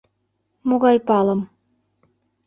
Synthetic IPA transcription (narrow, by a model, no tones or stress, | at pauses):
moɣɑjpɑlə̆m